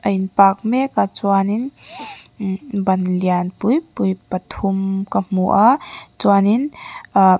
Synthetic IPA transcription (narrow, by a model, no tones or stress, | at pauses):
ɐjnpak̚mekat͡swanin | bɐnlianpujpujpɐt̪ʰumkam̥uʔat͡ʃwanin